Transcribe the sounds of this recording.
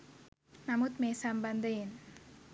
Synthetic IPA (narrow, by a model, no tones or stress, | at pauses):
nɐmut̪meːsambɐnd̪ɐen